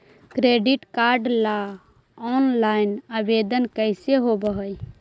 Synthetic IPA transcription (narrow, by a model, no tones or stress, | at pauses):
kɾeɖiʈkaɾɖla | ɔnlainabed̪ənkəɪseɦobəɦəj